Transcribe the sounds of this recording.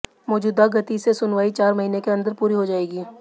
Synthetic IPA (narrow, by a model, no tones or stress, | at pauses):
mɔːd͡ʒuːd̪aɡʱɐt̪isesʊnʋaːit͡ʃaːɾmɐɦiːnekeɐ̃nd̪əɾpuːɾiɦod͡ʒaːeːɡiː